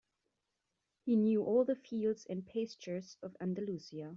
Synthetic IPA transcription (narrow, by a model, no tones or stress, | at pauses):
hinjʉʔɔlˠðəfilˠdz̥ɨ̃npʰeɪst͡ʃə˞z̥ʌvæ̰̃ndəlusiə